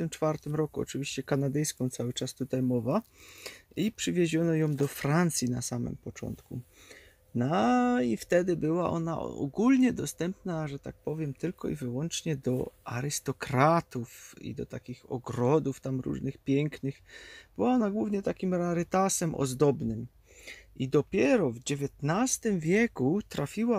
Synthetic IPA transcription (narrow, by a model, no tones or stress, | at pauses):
t̪ɘmt͡ʂfaɾt̪ɘmɾɔkuɔ̰t͡ʂɘvʲiɕt͡ɕɛkanad̪ɛjskɔ̃w̃t̪sawɘt͡ʂast̪ut̪ajmɔva | ipʂɘvʲjeʑɔnɔjɔ̃w̃d̪ɔfɾant̪sʲjinasamɘ̰mpɔt͡ʂɔ̰nt̪kṵ | naift̪ɛd̪ɘbɘwaʔɔ̰na̰ɔ̰ɡulɲɛd̪ɔst̪ɛmpnaʐɛt̪ak̚pɔvʲjɛmt̪ɘlkɔḭvɘwɔnt͡ʂɲɛd̪ɔa̰ɾɘst̪ɔkɾat̪ufḭd̪ɔt̪akʲixɔ̰ɡɾɔd̪uft̪amɾṵʐnɘxpʲjɛŋknɘxb̥ɘwaɔnaɡwuvɲɛt̪akʲimɾaɾɘt̪asɛmʔɔ̰zd̪ɔbnɘm | id̪ɔpʲjɛɾɔvd͡ʑevʲjɛt̪nast̪ɘmvʲjɛkut̪ɾafʲiwa